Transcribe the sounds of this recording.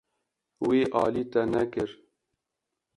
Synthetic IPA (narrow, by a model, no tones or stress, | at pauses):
weːʔɑ̰ːliːt̪ɛnɛkɨɾ